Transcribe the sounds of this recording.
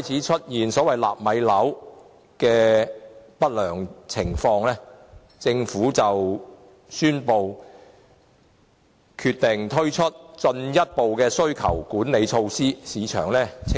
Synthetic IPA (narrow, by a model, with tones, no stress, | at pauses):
ɔː˥jt͡sʰiː˨˥t͡ʃʰɵ˥t̚jiː˨˩nsɔː˨˥wɐ˨jla̰ː˨˩p̚mɐ˨˧jlɐ˨˥w | kɛː˧ | pɐ˥t̚lœː˨˩ŋt͡sʰɪ˨˩ŋfɔː˧ŋlɛː˥ | t͡sɪ˧ŋfuː˨˥t͡sɐ˨w | syː˥npo˨w | kʰyː˧t̪ɪ˨ŋt̪ʰɵ˥ɥt͡ʃʰɵ˥t̚t͡ʃɵ˧njɐ˥t̚po˨wkɛː˧sɵ˥ɥkʰɐ̰˨˩wkuː˨˥nne˨˧jt͡ʃʰo˧wsiː˥siː˨˧t͡ʃʰœ̰ː˨˩ŋlɛː˥